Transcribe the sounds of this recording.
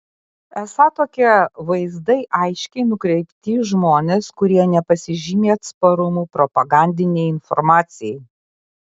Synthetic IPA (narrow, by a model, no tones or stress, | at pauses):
ɛsɑːt̪oːkʲiɛʋɐɪzd̪ɐɪʔɐɪʃʲkʲɛɪnʊkɾʲɛɪpʲt̪ʲiʒmoːnʲeːskʊɾʲiɛnʲɛpɐsʲɪʒʲiːmʲeːɐt̪spɐɾʊmuːpɾɔpɐɡɑˑnʲd̪ʲɪnʲɛɪɪnfɔ̰ɾmɑːt̪sʲɪjɛɪ